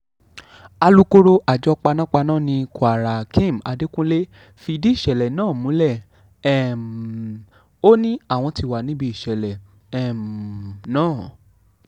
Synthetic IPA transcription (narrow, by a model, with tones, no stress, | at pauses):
a˧lu˦ko˦ɾo˦ʔa˨d͡ʒɔ˨˦k͡pa˧nã˦k͡pa˧nãː˦˨nĩ˧ku˨a˨ɾa˨kĩ˦˨ma˧de˦kũ˦le˦ | fi˧di˦i˦˨ʃɛ˨lɛ˨nãː˦˨mũ˨˦lɛ˦˨ | ɛ˦˨ | o˦nĩ˦a˦˨w̃ɔ̃˧ti˧wa˨nĩ˦bi˦i˦˨ʃɛ˨lɛ˨ | ɛ˦˨mnãː˨˦˨